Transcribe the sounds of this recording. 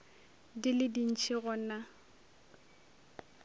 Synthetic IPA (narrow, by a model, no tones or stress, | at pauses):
dɪlɪdin̩t͡ʃʰɪɣɔna